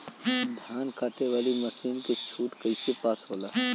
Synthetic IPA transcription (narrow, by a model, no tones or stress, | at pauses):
d̪ʱaːnkaːt̪eʋaːliməsiːnket͡ʃʰuːʈkəɪsepaːsɦoːlaː